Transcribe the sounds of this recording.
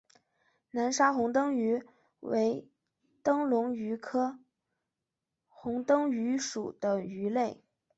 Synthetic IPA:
na˧˥nʂa˥xʊ˧˥ŋt̪ɤ˥ŋy˧˥ | wḛ˧˥ɪ | t̪ɤ˥ŋlʊ˧˥ŋy˧˥kʰɤ˥ | xʊ˧˥ŋt̪ɤ˥ŋy˧˥ʂu˨˩d̪ə˦y˧˥le˥˩ɪ

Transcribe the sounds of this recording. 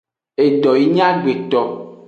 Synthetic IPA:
e˨ɖ̪ɔ˨ji˦ɲã˦ɡ͡be˨t̪ɔ˨

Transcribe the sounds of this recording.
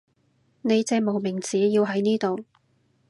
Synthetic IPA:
ne˨˧jt͡sɛː˧mo˨˩wmɪ˨˩ŋt͡siː˨˥jiː˧wɦɐ˨˥jniː˥t̪o˨w

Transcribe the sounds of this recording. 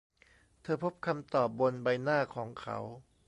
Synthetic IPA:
t̪ʰɤː˧pʰo˦˥p̚kʰa˧mt̪ɔː˨˩p̚bo˧nba˧jnaː˥˩kʰɔː˩˦ŋkʰa̰˦˥w

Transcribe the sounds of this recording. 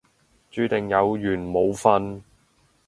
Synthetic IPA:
t͡ʃyː˨˧t̪ɪ˨ŋjɐ˨˧wjyː˨˩nmo˨˧wfɐ˧n

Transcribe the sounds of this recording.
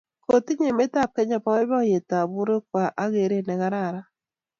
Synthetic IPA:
ko˨ti˦ɲe˨me˦ta˦˨p̚ke˦ɲa˨pa˨˦wɛ˦bɔ˦je˨ta˨bu˦ɾe˦kwa˨ʔa˦ɣe˨ɾe˦nɛ˨ɣa˦ɾa˦˨ɾa˦

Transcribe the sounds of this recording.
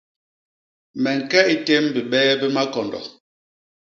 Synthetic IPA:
mɛ˨ŋ̩˨kɛ˦i˦te˦mbi˨ɓɛ˦bɛ˦ma˦kɔ˨ndɔ̰˨

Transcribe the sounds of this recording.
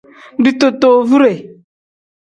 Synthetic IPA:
du˦t̪o˨to˨vu˦ɾe˨

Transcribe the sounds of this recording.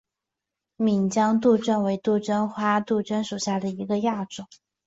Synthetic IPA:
mi˨˩ŋt͡ɕjɑ˥ŋt̪u˥˧ʈ͡ʂə˥˧nwe˧˥ɪt̪u˥˧ʈ͡ʂə˥nxwa˥t̪u˥˩ʈ͡ʂə˥nʂu˨˩ɕja˥˩d̪ə˩i˧˥ɡə˧ja˥˩ʈ͡ʂʊ˨˩˦

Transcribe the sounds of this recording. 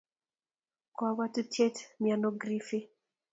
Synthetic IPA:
kwawa˦tu˦tje˦tmjanoɡɾi˦fi˦

